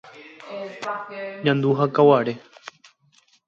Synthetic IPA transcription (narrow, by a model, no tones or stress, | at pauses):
ɲãnd̪uɦakawaɾe